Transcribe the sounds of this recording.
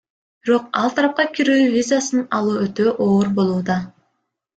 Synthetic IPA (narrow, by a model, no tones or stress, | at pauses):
b̥iɾo̞qɑlˠt̪ʰɑɾɑp̚qɑkʲiɾyːvʲizasɯnɑlˠuːøt̪øʔoːɾbo̞lˠuːd̪ɑ